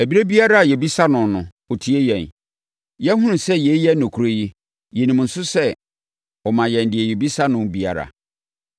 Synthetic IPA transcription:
æ˨bi˦ɾe˦bi˦a˦ɾa˦a˨jɛ˨bi˦sa˦nʊ̃˨nʊ̃˨ | ɔ˨tʰi˦e˦jɛ̃˨n | jɛ˦hʊ̃˦nʊ̃˨sɛ˦jɛ˨˦jɛ˦nʊ̃˨kʰu˨ɾo˦ji˦ | jɛ˨nĩ˨m˨n̩˨sʊ˦sɛ˦ | ɔ˨mã˨jɛ̃˨n˨dɪ˨ɛ˨jɛ˨bi˦sa˦nʊ̃˦nbi˦a̰˨ɾa̰˨

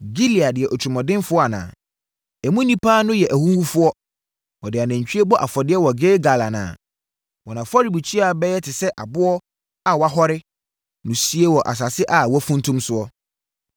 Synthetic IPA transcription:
ɡi˦li˨a˨dɪ˨ɛ˨ʔɔ˨t͡ɕʰᶣmɔ̃˨dɪ̃˦nfʊ˦ɔ˦a˨nã̰ː˨ | ɛ˨mũ˦nĩ˦pʰaː˦nʊ̃˦jɛ˨ʔæ˨hũ˦wu˦fʊ˦ɔ˦ | wɔ˨dɪ˨a˨næ̃˨ɲ˨t͡ɕᶣi˦e˦bɔ˦ʔa̰˨fɔ˨dɪ˦ɛ˦wɔ˨ɡeː˦ɡa˨la˨nã̰ː˨ | wɔ˨nã˨fɔ˦ɾi˨bu˨t͡ɕʰi˦a˨˦bɛ˦jɛ˦tʰɪ˨sɛ˦ʔa˨bʊ˦ɔ˦ | a˨wɔ˨a˦ɦɔ˦ɾɪ˦ | nʊ̃˨si˦e˦wɔ˨ʔa̰˨s̬a˨sɪ˦ʔa˨wɔ˦fũ˦n˦tʰũ˦msʊ˦ɔ˦

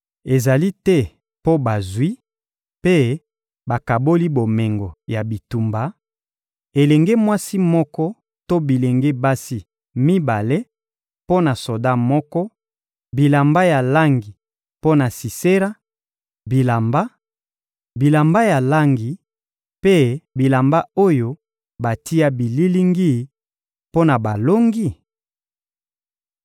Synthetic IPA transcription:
e˨za˨li˦tɛ˦ | po˦ba˨zwi˦ | pe˦ | ba˨ka˨bo˦li˦bo˨me˨ŋɡɔ˨ja˨bi˨tu˨mba˨ | e˨lɛ˨ŋɡe˦mwa˦si˦mɔ˦kɔ˦ | to˦bi˨le˨ŋɡe˦ba˦si˦ | mi˦ba˨le˦ | po˦na˨so˨da˦mɔ˦kɔ˦ | bi˨la˨mba˦ja˨la˦ŋɡi˨ | po˦na˨si˨se˦ɾa˦ | bi˨la˨mba˦ | bi˨la˨mba˦ja˨la˦ŋɡi˨ | pe˦bi˨la˨mba˦o˦jo˦ | ba˨ti˦ja˦bi˨li˦li˦ŋɡi˦ | po˦na˨ba˨lo˦ŋɡi˦˨

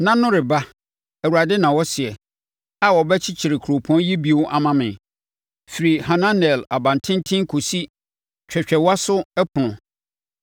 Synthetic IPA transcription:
nã˦nʊ̃˦ɾɪ˨ba˦ | ɛ˨wu˨a˨dɪ˦nã˨wɔ˦sɪ˨ɛ˨ | a˨wɔ˨bɛ˦t͡ɕʰɪ˦t͡ɕʰi˨ɾɪ˨kʰɾo˨pʰɔ̃˦n˦ji˦bi˦ʊ˦ʔa˨mã˦mɪ̃˨ | fi˨ɾi˨ha˨nã˦nɛ˨la˨bã˨n˨tʰɪ̃˦n˦tʰɪ̃˦ŋ˦kʰo˨si˦ | t͡ɕᶣɛ˨t͡ɕᶣɛ˨wa˦sʊ˦ɛ˦pʰʊ˨nʊ̃˨

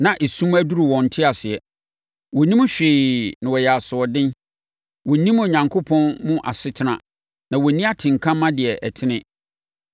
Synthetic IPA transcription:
nã˨ʔe˨sũ˦mæ˦du˦ɾu˨wɔ̃˨n̩˨tʰɪ˦a˨sɪ˨ɛ˨ | wɔ˨nĩ˦m̃˦ɕᶣɪː˨nɪ̃˨wɔ˨jɛ˨a˨sʊ˨ɔ˨dɪ̃˦n | wɔ˨nĩ˦mo˨ɲã˨ŋkʰo˦pʰɔ̃˦nmʊ̃˦ʔa̰˨sɪ˦tʰɪ˦nã̰˨ | nã˨wɔ˨nĩ˦a˦tʰɪ̃˨ŋ˨kʰã˦mːã˦dɪ˨ɛ˨ʔɛ˨tʰɪ̃˦nɪ̃˦

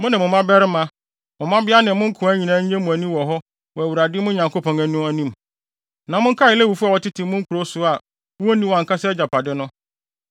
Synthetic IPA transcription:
mʊ̃˦nɪ̃˨mʊ̃˨mã˦bɛ˦ɾɪ˦mã˦ | mʊ̃˨mã˦bɪ˦a˦nɪ̃˨mʊ̃˦ŋ̩˦kʰʊ̃˨˦æ˦ɲĩ˨nãː˨˦ɲ̩˦ɛ̃˦mũ˨æ˨nĩ˦wɔ˨ɦɔ˦ | wɔ˨æ˨wu˨ɾa˨dɪ˦mʊ̃˦ɲã˨ŋko˦pʰɔ̃˨næ˨nũ˦æ˦nĩ˦m | nã˨mʊ̃˦ŋ̩˦kʰa˦˨ɪ˨lɛ˦wu˨fu˦a˨wɔ˨tɪ˦tʰɪ̃˨mʊ̃˦ŋ̩˦kʰʊ˨ɾo˦sʊ˦a˨˦ | wo˦nĩ˦wã˨ŋ̩˨kʰa˦sɛ˦d͡ʑa˨pa˨dɪ˦nʊ̃˦

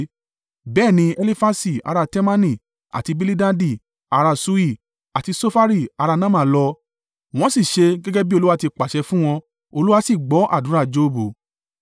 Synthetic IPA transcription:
bɛː˦˨nĩ˧ɛ˧li˦fa˧si˦˨a̰˧ɾa˧tɛ˦mã˦nĩ˦˨ | a̰˨ti˧bi˧li˦dã˦di˦˨ | a˨˧ɾa˧su˦i˦˨ | a˨ti˨˧so˦fa˦ɾi˦˨a˨˧ɾa˧nã˦mã˨lɔ˧ | w̃ɔ̃˦si˦˨ʃe˧ɡɛ˦ɡɛ˦bi˦o˧lu˦wa˧ti˧k͡pa˨ʃɛ˧fũ˦w̃ɔ̃˧ | o˧lu˦wa˧si˦˨ɡ͡bɔ˨˦ʔa̰˦˨dũ˨˦ɾa˦˨d͡ʒo˦˨˦bo˨

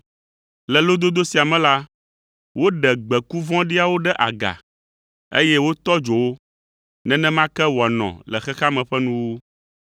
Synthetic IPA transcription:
lɛ˨lo˦d̪o˦d̪o˦si˨a˨mɛ̃˦la˦ | wo˦ɖɛ˨ɡ͡bɛ˨ku˦vɔ̃˦ɖi˦a˨wo˦ɖɛ˦ʔa˨ɡa̰˨ | ḛ˦jɛ˦wo˦t̪ɔ˦d͡ʒo˨wo˦ | nɛ̃˦nɛ̃˦mã˦kɛ˦wa˨nɔ̰̃˨lɛ˨xɛ˦xa˦mɛ̃˨ɸɛ˦nũ˦wo˦

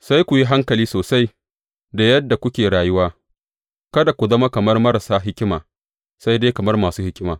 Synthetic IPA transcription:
sa˦jkʷʊ˨ji˦ɦa˦ŋkɐ˨liː˦soː˨sa˦j | da˨jɐ˦dːa˨kʷʊ˦kʲeː˨ɽaː˨jʊ˦waː˦ | kɐ˦da˨kʷʊ˨zɐ˦ma˦kɐ˨mɐ˦rmɐ˦ɾa˨saː˦ɦɪ˦kʲɪ˦ma̰ː˨ | sa˦jdeː˦kɐ˨mɐ˦rmaː˨suː˦hɪ˦kʲɪ˦maː˨

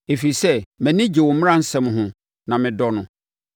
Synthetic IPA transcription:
e˨fi˨sɛ˦mɛ̃˨nĩ˦d͡ʑe˨wɔ˨˦m̃˦ã˦n̩˦sɛ̃˦m˦ɦʊ̃˨ | nã˨mɪ̃˨dɔ˦nʊ̃˦

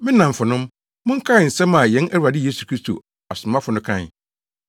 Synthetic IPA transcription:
mɪ̃˦nã˨ɱ˨fʊ˨nʊ̃˦m | mʊ̃˦ŋ̩˦kʰã˦˨n̩˨sɛ̃˦ma˨jɛ̃˨˦næ˦wu˨ɾa˨dɪ˦jeː˦su̥˨kʰɾi˦stʰo̰˨ | a˨sʊ˨mã˦fʊ˨nʊ̃˦kʰã˦˨n˨

